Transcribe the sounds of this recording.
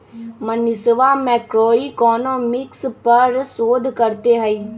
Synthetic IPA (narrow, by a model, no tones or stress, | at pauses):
mənɪsʋamɛːkɾoːikɔːnõːmɪkspəɾsoːd̪ʱkəɾt̪eɦɛi